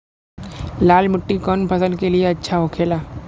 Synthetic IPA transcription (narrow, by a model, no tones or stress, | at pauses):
laːlmʊʈːikɔːnpʰɐsəlkelieɐtːʃʰaɦoːkʰeːlaː